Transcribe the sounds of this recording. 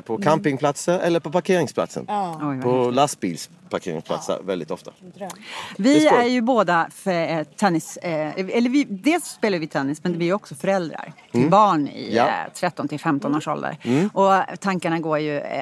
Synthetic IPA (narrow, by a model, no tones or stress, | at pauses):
pʰɔkʰampɪŋpʰlat̪səɾɛ̰lːəɾpɔpaɾkʰeːɾɪŋspʰla̰t̪sə̰nɔjpʰɔlast̪̚bḭːls | pʰaɾkʰḛːɾɪ̰ŋspʰla̰t̪sə̰ɾvɛlɪt̪ɔft̪a̰ | vɪæɾjɵboːd̪aft̪ʰɛnːɪsɛlːəɾvɪd̪eːlsspeːlaɾvʋɪt̪ʰɛnːɪsmɛnd̪vɪæɾjɔksɔfœɾɛld̪ɾa̰ɾ | t̪ʰɪbɑːɳɪ̰t̪ʰɾɛt̪ːɔnt̪ʰɪlfɛmt̪ɔnoːʂɔ̰ld̪ə̰ɾɔt̪ʰaŋkaɳaɡoːɾjɵ